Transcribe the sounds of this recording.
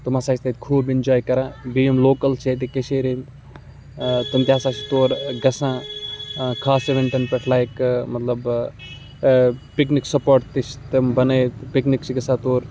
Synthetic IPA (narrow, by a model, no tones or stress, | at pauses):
t̪umaːsaːʃʲt̪ɐt̪kʰuːbɪnd͡ʒaːjkɐɾãːbiːimloːkɐlt͡ʃʰet̪̬ekeʃeːɾen | t̪ɐnt̪jaːsaːt͡ʃit̪oːɾɡɐsãː | kʰaːseʋɐ̃nt̪ɐnpɐʈʰlaːjkmɐt̪lɐb | pɪkniksɐpoːɾʈt̪it͡ʃt̪ɐmbɐnet̪pɪknikt͡ʃʰiɡɐsãːt̪oːɾ